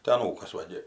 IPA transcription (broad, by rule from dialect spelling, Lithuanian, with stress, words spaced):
tɐɪ ɐˈnuːkɐs ˈʋɐ ɡʲɪ